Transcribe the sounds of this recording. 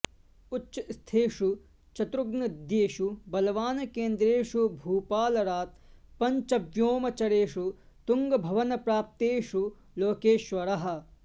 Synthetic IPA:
utːʃɐst̪ʰeːʂu | t͡ʃɐt̪ɾuɡnɐd̪jeːʃubɐlɐʋaːnɐkeːnd̪ɾeːʂubʱuːpaːlɐɾaːt̪pɐɲt͡ʃɐbjoːmɐt͡ʃɐɾeːʃu | t̪uŋɡɐbʱɐʋɐnɐpɾaːp̚t̪eːʃu | loːkeːʃʋɐɾɐɦɐ̆

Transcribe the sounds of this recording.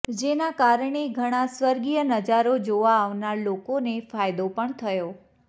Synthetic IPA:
d͡ʒenakaɾɳ̃eɡʱəɽ̃ãsʋəɾɡijənəd͡ʒaɾod͡ʒoʋaːʋnaɾlokonefajd̪opəɳt̪ʰəjo

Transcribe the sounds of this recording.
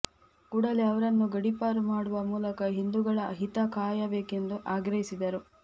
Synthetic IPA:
kuːɽɐleɐʋɐɾɐnːuɡɐɽipaːɾumaːɽuʋɐmuːlɐkɐɦind̪uɡɐɭɐɦit̪ɐkaːjɐbeːke̞nd̪uʔaːɡɾɐɦisid̪ɐɾu

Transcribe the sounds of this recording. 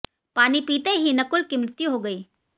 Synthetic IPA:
paːnipiːt̪eɦinɐkʊlkimɾɪt̪juɦoɡəiː

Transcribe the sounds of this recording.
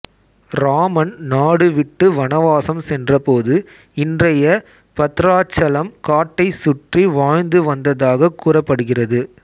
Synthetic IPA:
ɾaːmɐnnaːɽɯʋɪʈːɯʋɐnɐʋaːsɐmsɛndrɐpoːðɯ | ɪndrɐjɐ | pɐt̪ɾaːt͡ʃːɐlɐmkaːʈːɐɪsʊʈriʋaːɻnd̪ɯʋɐnd̪ɐðaːɣɐkːuːrɐpːɐɽɯɣɪrɐðɯ

